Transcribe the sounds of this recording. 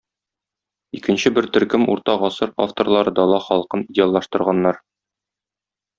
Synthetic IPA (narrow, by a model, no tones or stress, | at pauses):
ikɘ̆nɕɘbɘɾt̪ɵ̆ɾkɘmṵɾt̪ɑʁɒsɤɾa̰ft̪oɾlˠɑɾɤd̪ɒlˠɑχɒlˠɤqɤnidʲɪalˠːɑʃt̪ɤ̆ɾʁɑnːɑɾ